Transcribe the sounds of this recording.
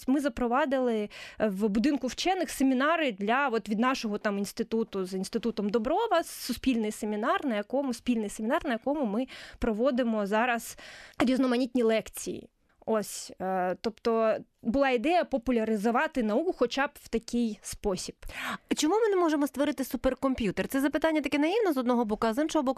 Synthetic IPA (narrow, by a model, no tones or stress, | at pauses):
mɪzɐpɾɔʋɑd̪ɪlˠɪʋbʊd̪ɪnkʊwt͡ʃɛnːɪxsemʲinɑɾɪd̪lʲɐʋɔt̪ʋʲid̪nɑʃɔɦɔt̪ɑminst̪ɪt̪ut̪ʊzinst̪ɪt̪ut̪ɔmd̪ɔbɾɔʋɐssʊspʲilʲnɪjsemʲinɑrnɐjɐkɔmʊspʲilʲnɪjsemʲɪnɑrnɐjɐkɔmʊmɪpɾɔʋɔd̪ɪmɔzɑɾɐzɾʲiznɔmɐnʲit̪ʲnʲilˠɛkt͡sʲḭjḭ | ɔsʲt̪ɔpt̪ɔ | bʊlˠɑid̪ɛjɐpɔpʊlʲɐɾɪzʊʋɑt̪ɪnɐukʊxɔt͡ʃɑbʋ̥t̪ɐkʲɪjspɔsʲib̥t͡ʃɔmumɪnɛmɔʒemɔst̪ʋɔɾɪt̪ɪsuperkɔmpʲjut̪ert̪sɛzɐpɪt̪anʲːɐt̪ɐkɛnɐjiwnɐzɔd̪nɔɦɔbɔkʊɐzɪnʃɔɦɔbɔkʊ